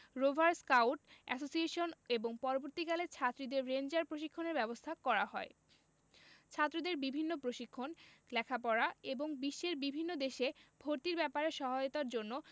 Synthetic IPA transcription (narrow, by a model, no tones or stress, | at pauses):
ɾobʱaɾskawʈɛ̰sosieʃoneboŋpɔɾoboɾt̪ikalet͡ɕʰat̪ːɾid̪eɾːend͡ʑaɾpɾoʃikʰːoneɾbɛbost̪ʰakɔɾaɦɔe | t͡ɕʰat̪ːɾod̪eɾbibʱinːopɾoʃikʰːonlɛkʰapɔɾaeboŋbiʃːeɾbibʱinːod̪eʃebʱoɾt̪iɾbɛpaɾeʃɔɦajot̪aɾd͡ʑonːo